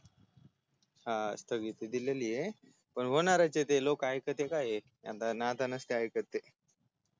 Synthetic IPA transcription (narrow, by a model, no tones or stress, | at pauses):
ɦa̰st̪əɡit̪ːed̪ilelije | pəɳʋənaɾat͡set̪elokajkət̪ekaje | ja̰t̪anat̪anəst̪iajkət̪ːe